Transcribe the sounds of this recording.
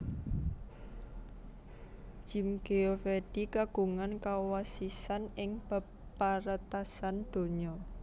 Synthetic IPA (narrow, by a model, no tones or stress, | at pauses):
ʒ̥imɡ̥eofeɖ̥ikaɡ̥ṳŋankawasisanɪŋb̥ə̤ | pːaɾət̪asand̪̥o̤ɲɔ